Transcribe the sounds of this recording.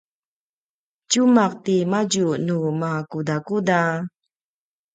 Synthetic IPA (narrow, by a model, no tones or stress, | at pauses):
cumaq̚timaɟunumakudakuda